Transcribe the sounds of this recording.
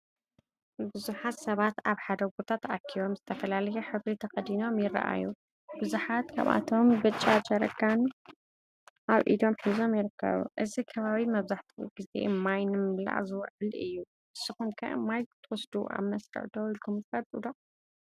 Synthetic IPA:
bɨzuħat̪sɐβat̪aβħad̪ɐɡot̪ʰat̪akʰːiβo̞mzɨt̪ʰɐfɐlalɐjoħɨβɾit̪ʰɐxɐd̪ino̞mjɪrːa̰ʔa̰jṵ | bɨzuħat̪kʰa̰βa̰t̪ʰo̞mbɨt͡ʃʼːat͡ʃɐɾɐ̰kʰːan | ʔaβʔḭd̪o̞mħizo̞mjɪɾɨkʰːɐ̰βṵʔɨzikʰɐβaβimɐβzaħt̪ʰiɡ̥ɨze̞̰majnɨmɨla̰ʔzɨwʕɨlɨjːu | ɨsːɨxumkʰɐ̰ʔɨ̰majt̪ʰwɔsd̪uʔa̰βmɐsɾɨ̰ʕd̪owilkʰumfɐlʼud̪o

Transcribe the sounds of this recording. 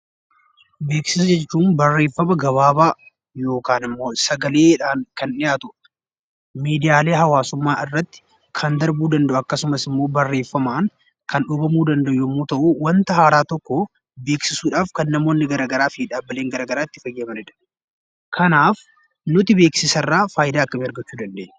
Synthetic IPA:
be̞ːksɪsɐd͡ʒɛt͡ʃːuːnbɐrːe̞ːfːɐmɐɡɐβaːbaː | jo̞ːkaːnɪmːo̞ːsɐɡɐle̞ːᶑaːŋkɐnɪjaːt̪ʊ | miːd̪ɪjaːle̞ːɦɐwaːsʊmːaːʔɪrːɐt̪ːɪ̥ | kʰɐnd̪ɐɾbuːd̪ɐnd̪ɐʔʊɐkːɐsʊmɐsɪmːo̞ːbɐrːe̞ːfːɐmaːŋ | kʰɐnᶑʊbɐmuːd̪ɐnd̪ɐʔʊjʊmːuːt̪ɐʔuːwɐnt̪ɐɦaːɾaːt̪ɔkːɔ | be̞ːksɪsuːᶑaːfkɐnːɐmo̞ːnːɪɡɐɾɐɡɐɾaːfiːᶑaːbːɐle̞ːŋɡɐɾaːɡɐɾaːɪt̪ːɪ̥fɐjeːmɐɾɛᶑɐ̥ | kʰɐnaːf | nʊt̪ɪbe̞ːksɪsɐrːaːfaːjd̪aːɐkːɐmɪɐɾɡɐt͡ʃːuːd̪ɐnd̪e̞ːnːɛ

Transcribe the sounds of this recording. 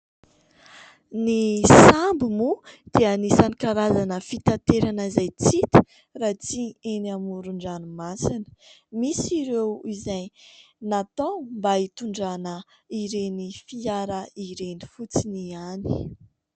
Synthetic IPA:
nisambumud̪̥iənisanikaɾazanəfit̪at̪eɾanəizajt͡sit̪ə̥ | rat͡sieniamuɾuɳɖ͡ʐanumasinə̥misiɾewizaj | nat̪owmbait̪uɳɖ͡ʐanə | iɾenifiaɾəiɾeni̥fut͡siniani̥

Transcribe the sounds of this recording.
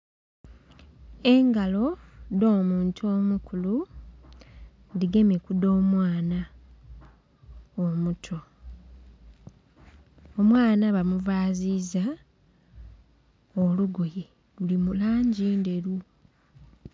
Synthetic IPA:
e̞ŋɡalo̞do̞ːmuːntʰuo̞ːmukulu | ndiɡe̞mekudo̞ːmwaːna | omutʰo̞ | omwaːnaβamuvaːziza | oluɡoje̞ | βulimulaːɲɟiːnde̞ɾu

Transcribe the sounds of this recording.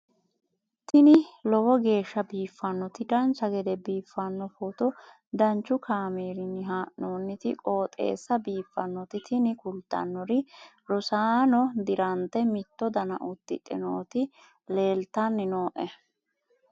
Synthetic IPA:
t̪ɪnɪlɔwɔɡe̞ːʃːɐbiːfːɐnːɔt̪ɪd̪ɐnt͡ʃːɐɡɛd̪ɛbiːfːɐnːɔfot̪ɔ | d̪ɐnt͡ʃːʊkʰaːmeːɾɪnɪɦaːʔnoːnːɪt̪ɪkʼoːt̪ʼḛːsːɐbiːfːɐnːɔt̪ɪt̪ʰɪnɪkʊlt̪ːɐ̰nːɔɾɪlɔsaːnɔd̪ɪɾɐnt̪ɛmɪt̪ːɔd̪ɐnɐʔʊt̪ːɪ̰ᶑɛ̰noːt̪ɪ | le̞ːlt̪ɐnːɪnoːʔɛ

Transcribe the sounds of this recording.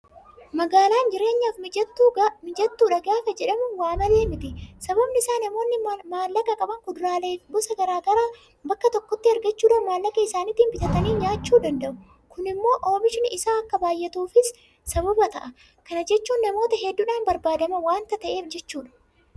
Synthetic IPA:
mɐɡaːlaːnd͡ʒɪɾe̞ːɲːaːfmɪd͡ʒɐt̪ːuːmɪd͡ʒɐt̪ːuːᶑɐɡaːfɐd͡ʒɛᶑɐmʊwaːmɐle̞ːmɪt̪ɪsɐbɐbnɪɪsaːnɐmo̞ːnːɪmaːlːɐkɐkʼɐbɐŋkʊd̪ʊɾaːleːbɔsɐɡɐɾaːɡɐɾaː | bɐkːɐt̪ɔkːɔt̪ːɪɐɾɡɐt͡ʃːuːᶑɐmaːlːɐkɐɪsaːnɪt̪iːmbɪt̪ɐt̪ɐniːɲaːt͡ʃːuːd̪ɐnd̪ɐʔʊ | kʊnɪmːo̞ːʔoːmɪʃɪnʔɪsaːɐkːɐbaːjːɛt̪uːfɪs | sɐbɐbɐt̪ɐʔɐ | kɐnɐd͡ʒɛt͡ʃːuːnːɐmo̞ːt̪ɐɦɛd̪ːʊᶑaːnbɐɾbaːd̪ɐmɐwaːnt̪ɐt̪ɐʔe̞ːfd͡ʒɛt͡ʃːuːᶑɐ̥

